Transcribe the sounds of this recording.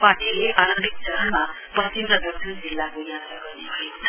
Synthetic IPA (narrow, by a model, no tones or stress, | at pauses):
paʈʰileʔaɾʌmbʱik̚d͡zʌɦʌnma | pʌtimɾʌd̪ʱʌk̚sʰʌnd͡zilːakojãt̪raɡʌrnebʱʌekotʰʌ